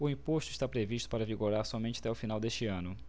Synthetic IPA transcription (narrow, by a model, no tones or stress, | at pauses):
ʊĩpoʃt̪ʊiʃt̪apɾeviʃt̪ʊ̥paɾɐviɡoɾaɾsɔmẽnt͡ʃɪḁt̪ɛʊfinawd̪eʃt͡ʃɪɐ̃nʊ